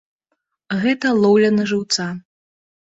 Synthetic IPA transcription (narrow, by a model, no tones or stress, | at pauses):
ɣɛt̪ɐlˠɔwlʲɐnɐʐɨwt̪sa